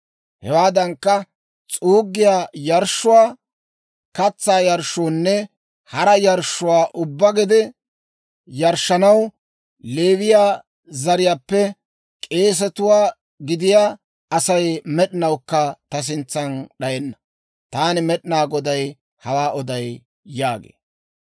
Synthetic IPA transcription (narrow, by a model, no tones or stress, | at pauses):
hɛwaːd̪ɐŋkːɐ | t͡sʼuːɡːɪjaːjɐɾʃːʊwaː | kɐt͡sːaːjɐɾʃːoːnːɛ | hɐɾɐjɐɾʃːʊwaːʔʊbːɐɡɪd̪ɪ | jɐɾʃːɐnɐw | le̞ːwɪjaː | zɐɾɪjaːpːɛ | kʼe̞ːs̬ɛt̪ʊwaː | ɡɪd̪ɪjaː | ɐsɐjmɛɗɪnɐwkːɐt̪ɐs̬ɪnt͡sːɐnɗɐjɛnːɐ̥ | t̪aːnɪmɛɗnaːɡɔd̪ɐj | hɐwaːʔɔd̪ɐj | jaːɡḛː